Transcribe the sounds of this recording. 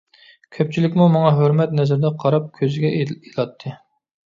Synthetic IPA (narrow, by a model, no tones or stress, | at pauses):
kʲʰøp̚t͡ʃʰilɪkʲmumɑŋɑɦøɾmɛt̪nɛzɾd̪ɛqʰɑɾɑp̚kʲʰøzɪɡʲɛelˠɑt̪ʰːɨ